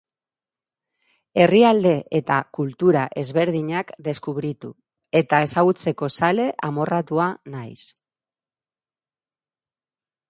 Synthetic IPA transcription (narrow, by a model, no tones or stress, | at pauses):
e̞riald̪e̞ʔet̪akult̪uɾaʔe̞zβe̞ɾðiɲakd̪e̞skuβɾit̪u | e̞t̪ae̞saɣut͡se̞ko̞sale̞ʔamo̞rat̪uanajs